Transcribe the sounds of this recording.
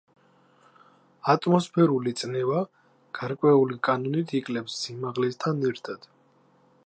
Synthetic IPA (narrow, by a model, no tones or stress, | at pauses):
at̪ʼmɔspʰɛɾulit̪sʼnɛva | ɡ̥aɾkʼwɛulikʼanɔnit̪ʰikʼlɛpsːimaʁlɛst̪ʰanɛɾt̪ʰad̪̥